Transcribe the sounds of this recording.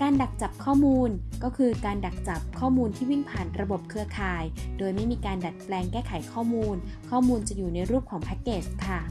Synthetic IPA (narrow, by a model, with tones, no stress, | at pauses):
kaː˧nda˨˩k̚t͡ɕa˨˩p̚kʰɔː˥˩muː˧nkɔː˥˩kʰɯː˧kaː˧nda˨˩k̚t͡ɕa˨˩p̚kʰɔː˥˩muː˧nt̪ʰiː˥˩wi˥˩npʰaː˨˩nɾa˧bo˨˩p̚kʰɯ˧ɐkʰaː˧jdoː˧jma˥˩jmiː˧kaː˧nda˨˩t̪̚plɛː˧ŋkɛː˥˩kʰa˨˩˦jkʰɔː˥˩muː˧nkʰɔː˥˩muː˧nt͡ɕa˨˩juː˨˩na˧jɾuː˥˩p̚kʰɔː˨˩˦ŋpʰaː˦˥kːeː˨˩st̚kʰa˥˩